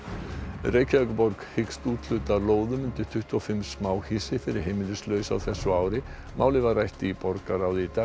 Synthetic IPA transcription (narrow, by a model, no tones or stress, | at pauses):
reːjcʰaœkʏpɔɾkhɪkst̪uːt̪l̥ʏt̪aloːwðʏmʏnt̪ɪ̥t̪ʰʏht̪uɔfɪmsmaːwhɪsɪfɪɾɪ̥ɦejmɪlʏslœːɥsa̰wθɛsːʏaːwɾɪ | mʔaːwlɪvaɾrajht̪ɪipɔɾkaɾaːwðɪit̪a